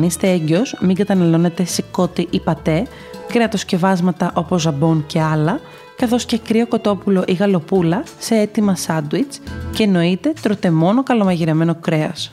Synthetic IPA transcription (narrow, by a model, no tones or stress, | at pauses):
nist̪e̞eɲɟeo̞smiŋɡɐt̪ɐnɐlo̞ne̞t̪e̞siko̞t̪iʔipɐt̪e̞ | kɾeɐt̪o̞sce̞vɐzmɐt̪ɐʔo̞pozːɐbo̞nce̞ɐlɐ | kɐθo̞sce̞kɾio̞ko̞t̪o̞pulo̞ʔiɣɐlo̞pulɐse̞et̪imɐsɐd̪wit͡sceːno̞it̪e̞t̪ɾo̞t̪e̞mo̞nokɐlo̞mɐʝiɾeme̞no̞kɾe̞ɐs